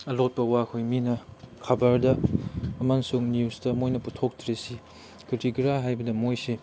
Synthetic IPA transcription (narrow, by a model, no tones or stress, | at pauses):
ɐlot̚pɐwakʰojminɐkʰɐbɐɾdɐː | mansuŋnjusdɐmojnɐputʰok̚tʰɾesi | kitiɡɾaɦajbɐdɐmojse